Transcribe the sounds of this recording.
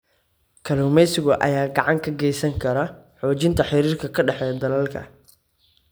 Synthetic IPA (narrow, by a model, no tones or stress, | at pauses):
kʰɐluːmɛjsɪɣʊʔɐ̰jaːɡɑʕɑŋkʰɐɡɛjsɐŋkʰɐɾɐħɔːt͡ʃɪnt̪ʰɐħɪɾiːrkʰɐkʰɐɖɑħɛjd̪ɐlɐlkʰɐ̰